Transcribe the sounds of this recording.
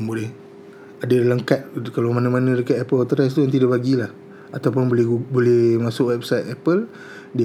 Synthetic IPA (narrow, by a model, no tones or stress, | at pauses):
ŋbolɛh | adədalaŋkat̪̚kalamanãmanə̃dəkat̪ɛpəlt̪əɾas̬t̪ujãŋt̪̬idaʔbaɡilah | at̪awpʊnbolɛhbolɛhmasʊkwɛp̚sajt̪ɛpəl | di